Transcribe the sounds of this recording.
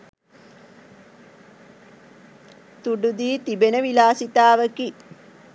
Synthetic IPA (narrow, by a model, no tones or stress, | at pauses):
t̪uɖud̪iːt̪ibenəʋilaːsit̪aːʋəki